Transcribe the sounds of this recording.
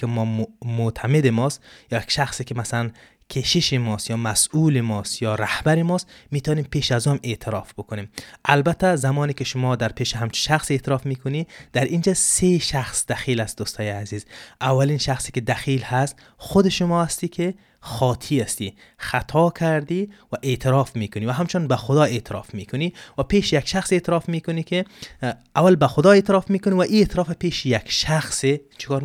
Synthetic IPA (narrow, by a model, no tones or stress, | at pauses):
kimɔmʊt̪ʰamed̪imɔst̪jɔjakʃaχsikimasalan | kʰeʃiʃimɔst̪jɒːmasulimɔst̪jɔɾahbæɾimɔst̪mit̪aɔːnempʰeːʃazume̞ʔt̪ʰɪɾɒfbukʊnemʔalbat̪ʰːazamɔːnikiʃʊmɔːd̪æɾpʰeʃiɦamt͡ʃʰu̥ʃaχset̪ʰɪɾɔfmikʰʊnid̪̥æɾʔind͡ʒæseʃaχsd̪æχilast̪d̪ust̪ʰɔjazizʔavːalinʃaxsikɪd̪æxiːlhast̪ | xʊd̪eʃʊmɔast̪iːkʰe | xɒːt̪ʰiːast̪i | xat̪ʰɔkʰaɾd̪ivaʔet̪ʰɪɾɔfmikʊnivaɦamt͡ʃʊnbaxʊd̪ɒeːt̪ʰɪɾɒ̰fmiːkʰʊnivapeːʃjakʃaxset̪ʰɪɾɒːfmiːkʊniːkʰe | avalbaxʊd̪ɒːeːt̪ɪɾɒfmiːkʊnivaʔiet̪ʰɪɾɒfapeːʃjakʃaxset͡ʃʰɪ̥kɒːɾ